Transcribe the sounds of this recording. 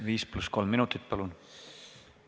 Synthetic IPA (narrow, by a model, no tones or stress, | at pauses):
viːsplusko̞lmːinut̪ːˑit̪̚ːˑpɑlun